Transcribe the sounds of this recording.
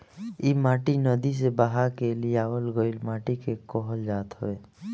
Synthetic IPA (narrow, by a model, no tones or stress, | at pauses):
imaːʈinəd̪is̬ebaɦaɾkelijaːwəlɡəilmaːʈikekɔɦəld͡ʒaːt̪ɦəeː